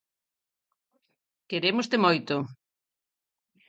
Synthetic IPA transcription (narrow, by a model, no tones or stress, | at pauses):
keɾemost̪emojt̪ʊ